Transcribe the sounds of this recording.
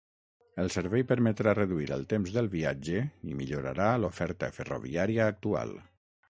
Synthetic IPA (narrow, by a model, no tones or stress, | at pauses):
əlˠsəɾβɛjpəɾmət̪ɾarəðuiɾə̰lˠt̪emzðəlˠβiad͡ʒəimiʎoɾa̰ɾalofɛɾt̪ə̰fəro̰βḭaɾiəːk̚t̪ua̰lˠ